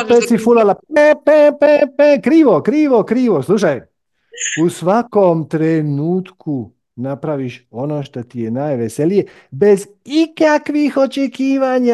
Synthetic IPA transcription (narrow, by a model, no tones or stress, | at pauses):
pet̪sifulalapepepepekɾiːʋokɾiːʋokɾiːʋoslˠuʃaj | usʋakomt̪ɾenuːt̪kʰu | napɾaʋiʃo̞noːʃt̪ot̪ijenajʋeselije | be̞z | ikakʋixo̞t͡ʃekiːʋaɲa